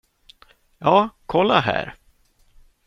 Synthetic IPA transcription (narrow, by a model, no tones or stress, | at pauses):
jɑːkʰɔlːaɦæ̰ːɾ